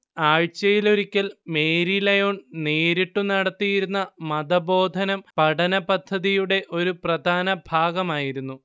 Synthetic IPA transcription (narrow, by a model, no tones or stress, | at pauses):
aːɻt͡ɕːɐjilo̞ɾikʲːɐlme̞ːɾilɐjoːɳneːɾiʈːunɐɽɐt̪ːijiɾunːɐmɐd̪ɐbo̞ːd̪ʱɐnɐmpɐɽɐnɐpɐd̪ʱːɐðijuɽe̞ʔo̞ɾuprɐd̪ʱaːnɐbʱaːɡɐmaːjiɾunːu